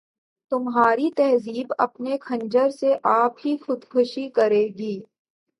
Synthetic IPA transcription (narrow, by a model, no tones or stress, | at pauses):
t̪ʊmɦaːɾit̪ɛɦziːbɐ̰pnekʰɐ̃ɲd͡ʒəɾseʔaːpɦixʊd̪kʰʊʃikɐɾeːɡiː